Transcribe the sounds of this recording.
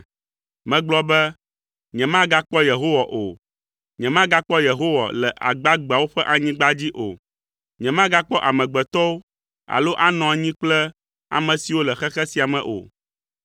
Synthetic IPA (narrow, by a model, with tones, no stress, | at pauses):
mɛ̃˨˦ɡ͡blɔ˦bɛ˦ | ɲɛ̃˨mã˦ɡa˦k͡pɔ˦je˨ɦo˦wa˨ʔo˨ | ɲɛ̃˨mã˦ɡa˦k͡pɔ˦je˨ɦo˦wa̰˨lɛ˨ʔa̰˨ɡ͡ba˦ɡ͡ba˨wo˦ɸɛ˦ʔa˨ɲĩ˦ɡ͡ba˦d͡ʑi˦ʔo˨ | ɲɛ̃˨mã˦ɡa˦k͡pɔ˦ʔa˨mɛ̃˨ɡ͡bɛ˨t̪ɔ˦wo˦ | a̰˨lo˦ʔa˦nɔ̃˨a˨ɲĩ˦k͡plɛ˦ | a̰˨mɛ̃˨si˨wo˦lɛ˨xɛ˦xɛ˦si˨a˨mɛ̃˨ʔo̰˨